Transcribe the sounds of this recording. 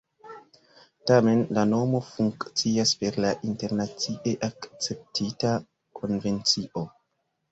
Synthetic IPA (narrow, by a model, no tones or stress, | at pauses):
tame̞nlano̞mo̞fuŋkt͡siaspe̞ɾlaʔinte̞ɾnat͡siʔe̞ʔakt͡se̞p̚tʰita | kʰo̞nve̞nt͡siʔo̞